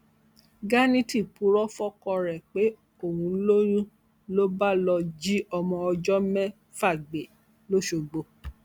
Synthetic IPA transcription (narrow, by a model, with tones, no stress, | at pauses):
ɡa˦nĩ˦ti˦˨pu˨˦ɾɔ˦fɔ˦kɔ˧ɾɛ˨k͡pe˨˦ | o˦˨wũ˧lo˦ɾ̃ũ˦ | lo˦ba˦lɔ˧d͡ʒi˦ɔ˧mɔ̃˧ɔ˧d͡ʒɔ˦mɛ̃˦ | fa˦˨ɡ͡be˨ | lo˦ʃo˧ɡ͡bo˧